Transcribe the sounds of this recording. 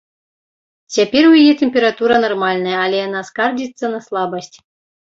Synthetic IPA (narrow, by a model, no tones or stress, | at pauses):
t͡sʲapʲeɾʲujijɛt̪ʲemʲpʲeɾat̪uɾɐnɐrmalʲnɐjɐːlʲɛjanaskard͡ʑʲit̪sːɐnɐslˠɑbəsʲtʲ